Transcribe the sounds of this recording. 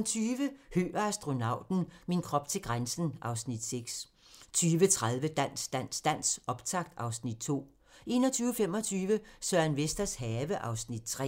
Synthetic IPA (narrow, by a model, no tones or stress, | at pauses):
nt͡sʰyːʋəhø̰ːɐæsd̥ʁo̝nɑ̈ʊ̰d̥n̩minkʰʁɒ̽b̥t͡sʰe̝lɡ̥ʁansn̩ʔɑ̈ʊsnid̥seɡ̥s | t͡sʰyːʋət͡sʰʁað̞ˠʋəd̥æn̰sd̥æn̰sd̥æn̰sɒ̽b̥t͡sʰɑ̈ɡ̥̚d̥ɑ̈ʊsnid̥̚t͡sʰo̝̰ː | ʔe̝̰ːnɒ̽t͡sʰyːʊəfem̰ɒ̽t͡sʰyːʋəsœɐnʋesd̥ɐshɛːʋəʔɑ̈ʊsnid̥̚t͡sʰʁɛ̰